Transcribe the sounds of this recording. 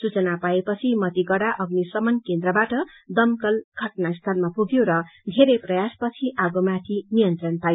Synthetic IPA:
sut͡sʌnapaepʌt͡sʰimʌt̪iɡʌɽaʔʌɡnisʌmʌnkend̪ɾʌbaʈʌ | d̪ʌmkʌlɡʱʌʈnast̪ʰʌlmapuɡjoɾʌd̪ʱeɾeprʌjaspʌt͡sʰiʔaɡomat̪ʰinijʌnt̪rʌnpajo

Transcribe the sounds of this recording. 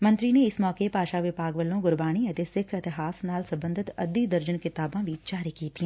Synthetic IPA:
mɐ̃nt̪ɾineɪsmɔːkepaːʃaʋɪbaːɡʋəlːõɡʊɾbaːɽ̃iɐt̪ɪsɪkʰɪt̪ɪɦaːsnaːlsɐ̃mbə̃nd̪ʱɪt̪ɐ̰d̪id̪ɐɾd͡ʒənkɪt̪aːbãʋʱit͡ʃaːɾikiːt̪ʰĩː

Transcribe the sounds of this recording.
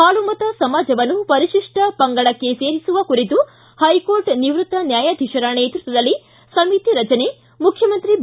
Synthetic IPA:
haːlumɐt̪ɐsɐmaːd͡ʒɐʋɐnːupɐɾiʃiʂʈɐpɐŋɡɐɭɐkːe̞se̞ːɾisuʋɐkuɾit̪u | hɐjkoːɾʈniʋɾut̪ːɐnjaːjad̪ʱiʂɐɾɐneːt̪ɾut̪ɐd̪ɐlːi | sɐmit̪iɾɐt͡ʃɐne | mukʰːjɐmɐnt̪ɾi

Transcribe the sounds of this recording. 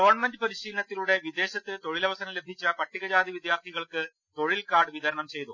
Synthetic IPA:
ɡɐʋɐrɳmendɨpɐɾiɕiːlɐnɐt̪ːiluɽe̞ʋid̪e̞ːɕɐt̪ːɨt̪o̞ɻilɐʋɐsɐnɐle̞bʱit͡ɕːɐpɐʈʰːiɣɐd͡ʑaːd̪iʋid̪jaːrt̪ʰiɣɐɭkɨ | t̪o̞ɻilkaːɖɨʋiðɐɾɐɳɐmt͡ɕe̞jt̪u

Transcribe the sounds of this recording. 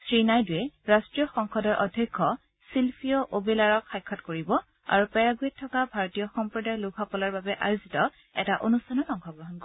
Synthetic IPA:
sɹinajdujɛɹastɹijɔxɔŋxɔdɔɹʔɔ̰dʱekʰːɔ | silpʰijɔʔobilaɹɔkxajkʰːɔtkoɹibɔ | a̰ɹupɛɹaɡuɛtʰːɔkabʱaɹɔtijɔxɔmpɹɔdajluɡɦɔkɔlaɹbabɛʔa̰juzitɔ | ɛ̰taʔonustʰanɔtɔŋxʰɔɡɹɔɦɔnk

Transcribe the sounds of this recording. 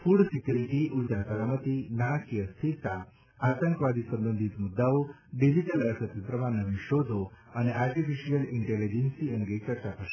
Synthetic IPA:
fuɽsikjuɾiʈiʔuɾd͡ʑasalamət̪inakiəst̪ʰiɾt̪a | at̪əŋkʋad̪ʱiːsə̃mbənd̪ʱit̪mud̪ːaʋo | ɖid͡ʑiʈələɾsət̪ipɾɐmanəʋiɕod͡z̪ʱoaniaɾʈifiɕijəliɳʈelid͡ʑensiəŋɡet͡ɕɐɾt͡ɕapʰa

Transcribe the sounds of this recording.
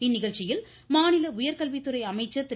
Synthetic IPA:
ɪnːɪɣɐɻt͡ʃɪjɪl | maːnɪlɐʊjɐɾkɐlʋit̪ːɯɾɐɪɐmɐɪt͡ʃːɐt̪ːɪ

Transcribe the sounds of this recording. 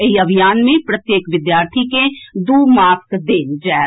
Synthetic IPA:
ɐiɐbʱijaːnmẽpɾɐt̪jeːkʋɪd̪jaːɾt̪ʰiked̪uːmaːskd̪ẽd͡ʒɛːɦ

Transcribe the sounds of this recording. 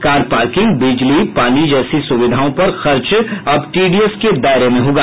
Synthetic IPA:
kaːɾpaːɾkɪ̃ŋɡbɪd͡ʒlipaːnid͡ʒɛːsisʊʋɪd̪ʱaːõpɐɾxɐɾt͡ʃɐbʈiːɖiesked̪aːɪɾemẽɦoːɡa

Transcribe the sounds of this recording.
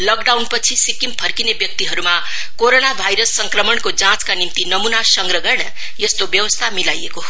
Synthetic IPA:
lʌɡɖawnpʌt͡sʰisikimpʰʌrkinebjʌk̚t̪iɦʌɾuma | koɾonabʱajɾʌsːʌŋkrʌmʌɳkod͡zãt͡skanimt̪inʌmunasʌŋɡrʌɡʌrnʌ | jest̪objʌwʌst̪ʰamilajeko

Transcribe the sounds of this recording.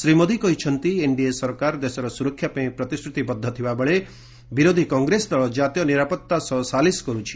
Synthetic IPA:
sɾimod̪ʱikɔɦit͡ʃʰɔnt̪ieɳɖiesɔɾkaɾd̪esɔɾɔsuɾɔkʰːjapɔĩpɾɔt̪iskɾut̪ibɔd̪ʱːɔt̪ʰibabɔɭe | biɾod̪ʱikɔŋɡɾesɔd̪aɭɔd͡ʒat̪jɔniɾapɔt̪ːasɔsaliskɔɾut͡ʃʰi̥

